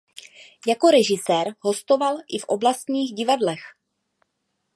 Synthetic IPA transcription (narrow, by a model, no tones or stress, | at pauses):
jako̞ɾɛʒɪsɛːɾɦo̞st̪o̞valʔɪfʔo̞blast̪ɲiːxɟɪvadlɛx